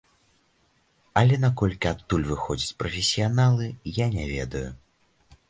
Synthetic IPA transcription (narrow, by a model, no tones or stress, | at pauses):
ɐlʲɛnakɔlʲkʲiat̪ːulʲvɨxɔd͡zʲit͡sʲpɾɐfʲɪsʲijanalˠɨjanʲɛvʲɛ̰d̪ɐju